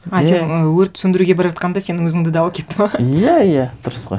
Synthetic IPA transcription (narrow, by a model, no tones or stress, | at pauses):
ɑsenəwɵɾt̪sʏnd̪ɪɾuɡʲebɑɾʒɑt̪qɑnd̪ɑse̞nɪŋwɵzɪŋd̪ɪd̪ɑwɑkʲʰe̞t̪ːɪmɑjæijæd̪̥ʊɾəsqo̰j